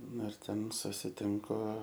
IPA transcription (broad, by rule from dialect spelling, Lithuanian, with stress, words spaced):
ˈnʊ ɪr ˈtʲɛn sʊsʲɪˈtʲɪŋkʊ